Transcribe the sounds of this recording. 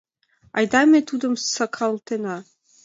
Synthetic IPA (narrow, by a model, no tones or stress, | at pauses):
ɑjd̪ɑmʲet̪ʰud̪ɤ̆msɑkʰɑlˠt̪ʰenɑ